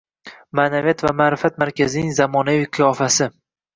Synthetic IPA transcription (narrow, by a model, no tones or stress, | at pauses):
maːnavijat̪vamaːɾɪfat̪̚maɾkʲazɪnɪŋzamɒnaviqʰʊjɒfasɪ